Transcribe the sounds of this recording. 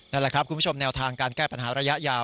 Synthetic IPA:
na˥˩lɛ˨˩kʰɾp̚ku˧npʰt͡ɕʰo˧mnɛː˧wt̪ʰaː˧ŋkaː˧nkɛː˥˩pa˧nɦaː˩˦˥ɾa˧ja˦˥ʔjaː˧

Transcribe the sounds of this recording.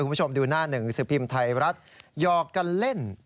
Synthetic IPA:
ku˧˦˥o˧mduː˧naː˥˩nɯ˨˩˦ŋsɯ˨˩˦pʰi˧mt̪ʰa˧jɾa˦˥t̪̚jɔː˨˩kːa˧nle˥˩n

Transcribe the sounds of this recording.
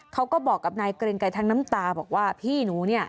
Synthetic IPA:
kʰa˦˥wkɔː˥˩bɔː˨˩kːa˨˩p̚naː˧jkɾe˧ŋka˧jt̪ʰaː˧˥ŋna˦˥mt̪aː˧bɔ̰ː˨˩k̚waː˥˩pʰiː˥˩nuː˩˦ni˥˩ɐ

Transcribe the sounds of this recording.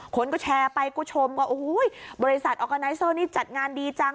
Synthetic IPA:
kʰo˧nkɔː˥˩t͡ɕʰɛː˧pa˧jkɔː˥˩t͡ɕʰo˧mkɔː˥˩ʔo˧˩hu˦˥jbɔː˧ɾi˦˥sa˨˩t̪̚ʔɔː˧ka˧na˧˥jsɤː˧˩niː˥˩t͡ɕa˨˩t̪̚ŋaː˧ndiː˧t͡ɕa˧ŋ

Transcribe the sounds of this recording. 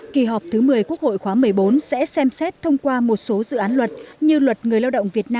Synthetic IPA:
ki˨˩ɦɔ˨˩p̚t̪ʰɨ˨˦mɨ˨˩əjku˦˥ək̚ho̰˧˨jxwaː˨˦mɨ˨˩əjɓo˨˦nsɛ̰˧˥sɛ˧msɛ˦˥t̚t̪ʰə˧wŋ͡mkwaː˧mo˨˩t̚so˨˦zɨ̰˧˨ʔaː˨˦nlwə˨˩t̚ɲɨ˧lwə˨˩t̚ŋɨ˨˩əjlaː˧wɗə̰˧˨wŋ͡mvi˨˩ət̚naː˧m

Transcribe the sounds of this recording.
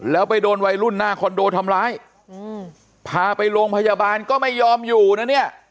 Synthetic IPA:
lɛː˦˥wpa˧jdoː˧nwa˧jɾu˥˩nːaː˥˩kʰɔ˧ndoː˧t̪ʰa˧mlaː˦˥j | pʰaː˧˩pa˧jɾoː˧ŋpʰa˧jaː˧baː˧nkɔː˥˩ma˥˩jːɔː˧mjuː˨˩na˧˥˩ni˥˩ɐʔ

